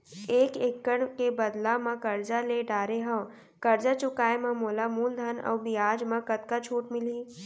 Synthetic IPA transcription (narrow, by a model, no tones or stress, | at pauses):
eːkeːkːəɳ̃kebɐd̪lamɐ̃kɐɾd͡ʒaleɖaːɾeɦɐ̃ | kɐɾd͡ʒat͡ʃʊkaːemɐ̃moːlamuːld̪ʱanɐ̰wbijaːd͡ʒmɐ̃kɐt̪kat͡ʃʰuːʈmɪliː